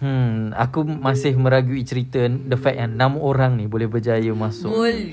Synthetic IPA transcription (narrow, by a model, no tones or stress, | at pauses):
a̰kumasɪhmə̃ɾaɡuit͡ʃɾit̪əndəfɛk̚janãmoɾaŋnĩbolɛhbərd͡ʒajəmasʊ